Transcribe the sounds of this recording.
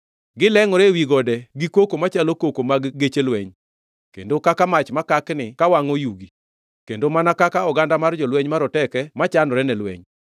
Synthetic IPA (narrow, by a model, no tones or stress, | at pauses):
ɡɪlɛŋɔɾɛwiɡɔdɛɡikwokomat͡ʃalokokomaɡːet͡ʃelwɛɲ | kḛndokakamat͡ʃmakaknɪkawaŋɔjuɡi | kendomanakakaɔɡandamard͡ʒɔlwɛɲmaɾɔtɛkɛmat͡ʃandɔɾɛnɛlwɛ̰ɲ